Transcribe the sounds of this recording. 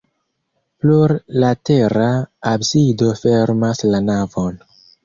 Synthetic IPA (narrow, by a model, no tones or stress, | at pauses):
pluɾlateɾaabsido̞feɾmaslanavon